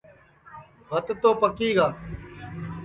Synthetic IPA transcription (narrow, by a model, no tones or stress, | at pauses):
bʱət̪t̪oːpəkiːɡaː